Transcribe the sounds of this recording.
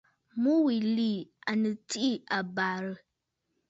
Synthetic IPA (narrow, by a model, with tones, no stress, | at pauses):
mu˦wi˨li˦˨a˨nɨ˨ti˦ʔi˦˨a˨baː˨ɾɨ˦